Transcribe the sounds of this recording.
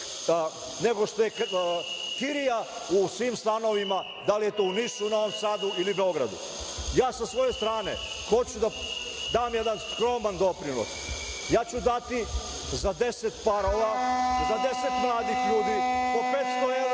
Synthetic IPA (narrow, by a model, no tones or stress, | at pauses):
ne̞ɡo̞ʃt̪ojek | kiɾijausʋiːmst̪ano̞ʋima | d̪alije̞t̪oːunisunao̞ʋomsaːd̪uilibeo̞ɡɾa̰d̪ṵ | jaːsasʋo̞je̞st̪ɾaːnḛ | xo̞t͡ɕud̪a | d̪aːmjed̪anskɾo̞ːmand̪o̞pɾino̰s | jaːt͡ɕud̪at̪i | zad̪e̞set̪paɾoʋazad̪e̞set̪mlˠaːd̪ixʎuːd̪ipopeːt̪st̪oe